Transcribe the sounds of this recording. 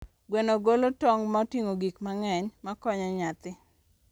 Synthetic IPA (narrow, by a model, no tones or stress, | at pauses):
ɡwenoɡolotɔŋmatiŋoɡikmaŋɛɲmakɔɲɔɲat̪ɪ